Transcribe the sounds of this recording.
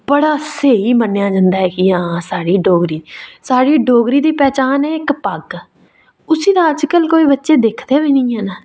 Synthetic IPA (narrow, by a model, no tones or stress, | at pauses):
bəɽaːseːiːmənejaːd͡ʒãːnd̪aːɦɛːkɪãːsaːɽiːɖoːɡɾiːsaːɽiːɖoːɡɾiːd̪iːpɛːt͡ʃaːnɛːɪkpəɡ | ʊsiːd̪aːəd͡ʒkəlkoːiːbətːʃeːd̪eːkʰd̪eːʋiːnĩːɦɛːnaː